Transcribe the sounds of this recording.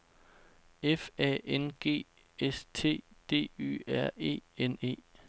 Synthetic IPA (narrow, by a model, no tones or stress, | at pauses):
efɛ̰ːʔenɡ̥e̝̰ː | est͡sʰe̝̰ːd̥e̝̰ːy̰ːæɐ̰e̝̰ːene̝̰ː